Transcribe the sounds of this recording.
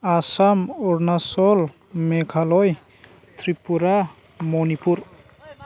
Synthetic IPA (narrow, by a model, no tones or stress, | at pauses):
asamuɾnasɔl | mekʰalɔj | t̪ʰɾipuɾa | mɔnipuɾ